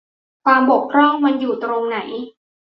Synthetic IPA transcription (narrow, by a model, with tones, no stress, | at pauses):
kwaː˧mbo˨˩k̚pʰɾɔ˥˩ŋma˧njuː˨˩t̪ɾoː˧ŋna˩˦j